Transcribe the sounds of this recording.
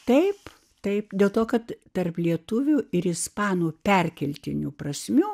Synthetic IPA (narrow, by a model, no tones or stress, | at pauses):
t̪ɐɪp | t̪ɐɪpd̪ʲeːlˠt̪oːkɐt̪t̪ɐrplʲiɛt̪ʊʋʲuɪɾɪspɑːnuːpʲɛrʲkʲɛlʲt̪ʲɪnʲuːprɐsʲmʲuː